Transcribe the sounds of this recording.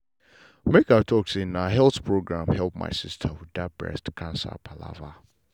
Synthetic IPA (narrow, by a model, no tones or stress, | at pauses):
mekatʰɔksɪ̃naɦɛlˠθpʰɹoɡɹãmhɛlˠp̚ma̰ɪsɪstʰəhudab̥ɹɛ̰stkʰãnsa̰pʰala̰va